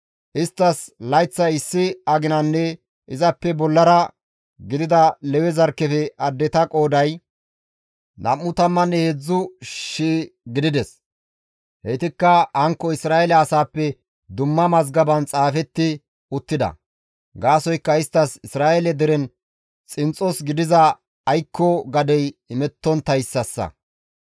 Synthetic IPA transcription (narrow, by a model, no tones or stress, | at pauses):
ʔɪst̪ːɐslɐjt͡sːɐjɪsːɪɐɡɪnɐnːɛ | ʔɪzɐpːɛbɔlːɐɾɐ | ɡɪd̪ɪd̪ɐlɛwɛzɐɾkːɛfɛɐd̪ːɛt̪ɐkʼo̞ːd̪ɐj | nɐmːʊt̪ɐmːɐnːɛhed͡zːʊʃiːɡɪd̪ɪd̪ɛs | hɛt̪ɪkːɐhɐŋkːɔɪsɾaːɛlɐːsaːpːɛ | d̪ʊmːɐmɐzɡɐbɐnt͡sʼaːfɛt̪ːɪ | ʊt̪ːɪd̪ɐ̰ | ɡaːsɔjkːɐɪst̪ːɐsɪsɾaːʔɛlɛd̪ɛɾɛn | t͡sʼɪnt͡sʼːɔsɡɪd̪ɪzɐ | ɐjkːɔɡɐd̪ɛjɪmɛt̪ːɔnt̪ɐjsːɐsːɐ̰